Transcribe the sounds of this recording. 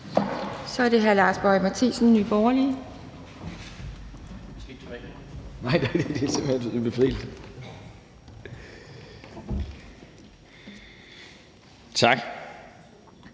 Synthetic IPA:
sɒ̽æɐ̥e̝ɦæɐlɑ̈ːsb̥ɒ̽imæt͡sʰḭːsn̩nyːb̥ɒːli | nɑ̈ɪ̰nɑɪd̥ed̥eæsem̰endb̥efʁḭːld̥ | t͡sʰɑ̈ɡ̥

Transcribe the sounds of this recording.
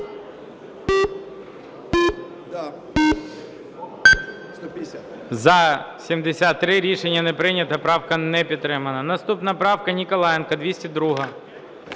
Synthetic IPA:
zɐsʲimd̪esʲat̪ːɾɪɾʲiʃenʲːɐnɛpɾɪnʲɐt̪ɐpɾɑwkɐnɛpʲid̪t̪t̪ːɾɪmɐnɐnɐst̪upnɐpɾɑwkɐnʲikɔlˠɑjɛnkɐd̪ʋʲisʲtʲid̪ɾuɦɐ

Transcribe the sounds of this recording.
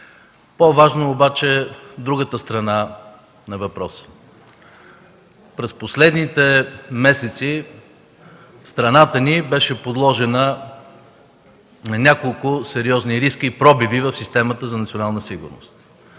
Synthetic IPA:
povaʒnoːbat͡ʃɛd̪ɾuɡət̪əst̪ɾɐna | nɐvɐpɾɔs | pɾɛsposlɛd̪nit̪ɛmɛsɛt̪si | st̪ɾɐnat̪ənibɛʃɛpod̪lˠɔʒɛnə | nɐnʲakolˠkʊsɛɾiɔzniɾiskəipɾɔbivivɐfsist̪ɛmət̪əzɐnɐt̪sʲionalˠnəsiɡʊ̰ɾno̰st̪

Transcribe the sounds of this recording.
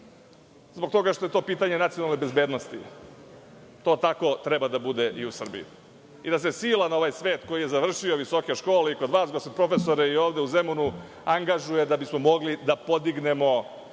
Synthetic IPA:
zbokt̪o̞ɡaʃt̪o̞je̞t̪o̞ːpiːt̪aɲenat̪sionalnebezbeːd̪no̞st̪ḭ | t̪o̞ːt̪ako̞t̪ɾɛbad̪abud̪eʔiusr̩bḭjḭ | id̪as̬e̞siːlˠanaoʋajsʋe̞ːt̪ko̞jije̞zaʋr̩ʃio̞ʋiso̞ke̞ʃko̞ːleiko̞d̪ʋaːsɡosod̪pɾo̞fesoɾeio̞ːʋd̪euzemunu | aŋɡaʒuje̞d̪abismo̞mo̞ɡlid̪apo̞d̪iɡne̞mo̞

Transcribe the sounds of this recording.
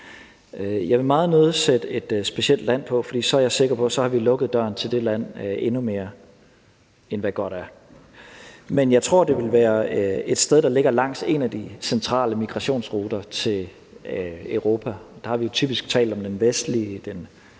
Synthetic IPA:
øjɑ̈ɪʋe̝mɑ̈ːð̞̩ˠnøːð̩ˠsed̥əe̝d̥sb̥e̝ɕel̰d̥læn̰pʰɒ̽fɒ̽d̥ḭːsɒ̽æɐjɑ̈se̝ɡ̥ɐpʰɒ̽sɒ̽hɑ̈ʋilɔ̽ɡ̥əð̞̩ˠd̥ɶ̰ɐnt͡sʰe̝ld̥e̝læn̰ʔe̝nume̝ːɐ | enʋæɡ̥ɒ̽ɾ̥æɐ | menjɑ̈ɪt͡sʰʁo̝ɐ̰d̥e̝ʋe̝lʋæːɐe̝d̥sd̥eð̞ˠd̥ɑ̈le̝ɡ̥ɐlɑ̈ŋ̰se̝næd̥isent͡sʰʁɑ̰̈ːləmiɡ̥ʁɑ̈ɕo̝̰ːnsʁuːd̥ɐt͡sʰe̝l | øʊʁo̝ːpʰæd̥ɑ̈hɑ̈ʋijo̝t͡sʰyb̥isɡ̥t͡sʰɛ̰ːld̥ɒ̽md̥enʋesd̥lid̥en

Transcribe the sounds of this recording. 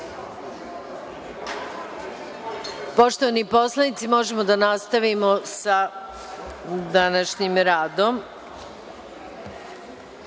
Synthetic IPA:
po̞ʃt̪o̞ʋanipo̞slˠanit̪simo̞ʒemo̞d̪anast̪aʋimo̞sa | d̪anaʃɲimɾaːd̪o̞m

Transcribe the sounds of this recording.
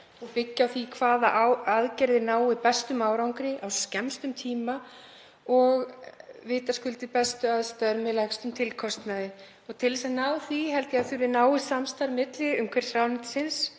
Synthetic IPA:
ɔɣpɪcːawθikʰvaːðaʔawaðcɛɾðɪnaːwɪpɛst̪ʏmaːwɾawŋkɾɪʔawscɛmst̪ʏmt̪ʰiːma | ɔɣvɪːt̪askʏlt̪ɪpɛst̪ʏaðst̪aðɾmɛðlajkst̪ʏmt̪ʰɪlkʰɔst̪naðɪ | ɔɣt̪ʰɪlsɛnaːwθviɦɛlt̪jɛaðθʏɾɪnaːwɪsamst̪aɾmɪt̪lɪʏmkʰɛɾ̥sɾaːwnɪt̪sɪns

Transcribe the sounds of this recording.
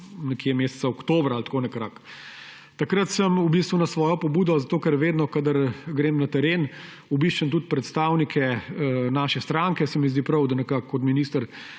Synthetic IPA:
nɛkiɛmeːsɛ̥t̪saɔkt̪oːbɾaaːlt̪koːnɛkɾak | t̪akɾət̪səmubist̪ʋunasʋɔːjɔpɔbuːd̪ɔzat̪oːkɛɾʋeːd̪nɔkad̪əɾɡɾeːmnat̪ɛɾeːn | ubiʃt͡ʃənt̪ut̪̚pɾɛt̪st̪aːwnikʰɛnaːʃɛst̪ɾaŋkɛsɛmizd̪ipɾɐwd̪ɐnɛkakːɔt̪miniːst̪əɾ

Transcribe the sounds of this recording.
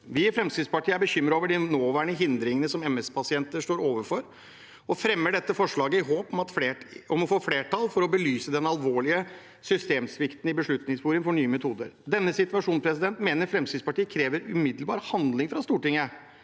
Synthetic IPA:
ʋɪɪfɾɛmskɾɪd̪spɑʈʰiːəæɾbəçʏmːɾəoːʋəɖɪnoːʋæːɳəɦɪnd̪ɾɪŋənəsɔmɛmɛspʰɑsɪɛnt̪əʂʈoːɾoːʋəɾfɔɾ | ɔfɾɛmːəɖɛt̪ːəfɔʂɭɑːɡəɪɦoːpɔmɑt̪fɔmɔfoːfleːʈʰɑlfɔɾɔbəlyːsəd̪ɛnɑlʋoːɭɪə | sʏst̪eːmsʋɪkt̪n̩ɪbəʂɭʉt̪nɪŋspuːɾɪŋfɔɳyːəmɛt̪ʰuːd̪ə̰ɾd̪ɛnːəsɪt̪ʋɑʂuːnspʰɾɛs̬ɪd̪ɛnt̪meːnəɾfɾɛmskɾɪd̪spɑʈiːəkʰɾeːʋəɾʉmɪd̪lbɑ̰ːɾhɑnd̪lɪŋfɾɑst̪uːʈɪŋə

